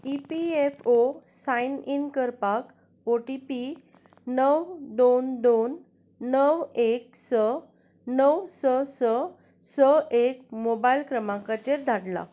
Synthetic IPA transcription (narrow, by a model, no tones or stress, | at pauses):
ipiefosãininkəɾpak | oʈipi | nəwd̪ond̪onː | əwek̚sə | nəwsəsə | səʔek̚mobailkɾəmãkat͡ɕeɾd̪ʱaɽla̰